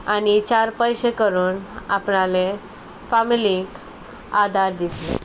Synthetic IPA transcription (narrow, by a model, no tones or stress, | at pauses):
anit͡ɕaɾpəjɕekəɾuːnapɳale | familik | ad̪ʱaɾd̪it̪lḛ